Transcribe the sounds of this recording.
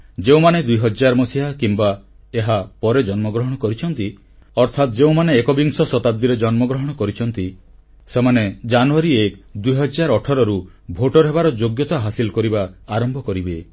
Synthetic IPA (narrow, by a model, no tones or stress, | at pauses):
d͡ʒeũmaned̪ujɦɔd͡ʒaɾmɔsiɦakimba | eɦapɔɾed͡ʒɔnmɔɡɾɔɦɔɽ̃ɔkɔɾit͡ʃʰɔnt̪i | ɔɾt̪ʰat̪d͡ʒeũmaneːkɔbiŋsɔsɔt̪ab̚d̪iɾed͡ʒɔnmɔɡɾɔɦɔɽ̃ɔkɔɾit͡ʃʰɔnt̪i | semaned͡ʒanuaɾiekd̪ujɦɔd͡ʒaɾɔʈʰɔɾɔɾu | bʱoʈɔɾɦebaɾɔd͡ʒoɡjɔt̪aɦasilɔkɔɾibaːɾɔmbʱɔkɔɾibe